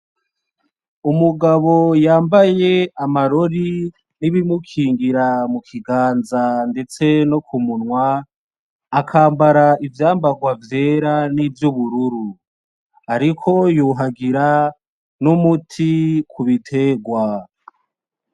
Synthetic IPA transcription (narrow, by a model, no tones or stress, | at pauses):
umuɡaβo̞jaːmbaje̞amaɾo̞ɾi | niβimukʰiːŋɡiɾamukʰiɡaːnzande̞t͡se̞nokʰumunwaː | kʰaːmbaɾaivjaːmbaɡwavje̞ːɾaniːvjuβuɾuɾu | aɾikʰo̞juɦaɡiɾa | numutʰikʰuβitʰe̞ɡwa